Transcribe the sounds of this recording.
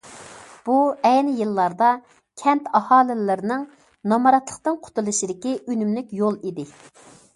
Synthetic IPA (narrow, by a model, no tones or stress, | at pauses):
b̥uɛjnɪjɨlˠːɑɾd̪ɑ | kʲʰɛnt̪ɑhɑːlɪɪɾɪnɪŋ | nɑmɑɾɑt̪lˠəqt̪ɨnqʰʊ̥t̪ʰulˠɨʃid̪ɪkʲiʔynymlykʲjolˠid̪ɪ